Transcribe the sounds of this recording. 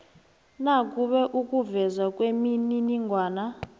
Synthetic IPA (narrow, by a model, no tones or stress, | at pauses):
nakʼuɓɛʔukʼuvɛzwakʼwemininiŋɡʱwaːna